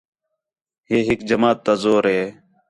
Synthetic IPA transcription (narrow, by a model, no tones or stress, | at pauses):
ɦeːɦɪkd͡ʒəmaːt̪ːazoːɾɦeː